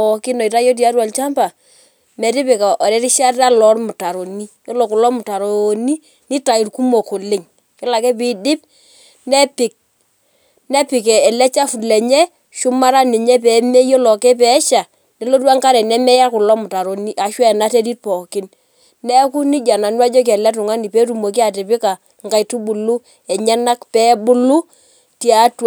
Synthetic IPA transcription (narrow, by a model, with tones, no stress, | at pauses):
ɔ˨kɪ˦nɔ˨i˨ta˦jo˦t̬ja˦twa˨lt͡ʃa˦mpa˨ | mɛ˨ɾɪ˦pɪ˨ka˨ʔɔ˨ɾɛ˦ɾɪ˦ʃa˦rta˦lɔ˦rmʊ˨ta˨ɾo˨ni˦jɔ˦lɔ˨kʊ˨lɔ˦mʊ˨ta˨ɾo˨ni˦ | nɪ˦ta˨i˨rku˦mo˨ko˨lɪ˦ŋ | kɪ˦la˨kɛ˦pɪ˨dɪ˦p̚ | nɛ˦pɪ˨k̚ | nɛ˦pɪ˨kɛ˨ɛ˨lɛ˦t͡ʃa˦fu˨lɛ˨ɲɛ˦ | ʃʊ˦ma˦ɾa˦nɪ˨ɲɛ˦p̬ɛ˨˦mɛ˦jo˦lɔ˨kɛ˦p̬ɛ˨˦ʃa˨ | ne˨˦lo˦t̬wa˦ŋka˦ɾɛ˨nɛ˦mɛ˦ja˦kʊ˨lɔ˦mʊ˨ta˨ɾo˨ni˦ʔa˨ʃwɛ˦ɛ˨na˦te˦di˦t̚pɔ˨kɪ˦n | nɛ˦ku˦ni˦d͡ʒa˨na˨nwa˦d͡ʒo˦k̬ɛ˨lɛ˦t̬ʊ˨ŋa˦ni˨pe˦tu˨mo˨k̬i˦a˨tɪ˨pɪ˦ka˨ | ŋɡa˨jtu˦bʊ˨lu˦ | ɛ˨ɲɛ˦na˦kpɛ˦bʊ˦lu˦ | ta˨˦tw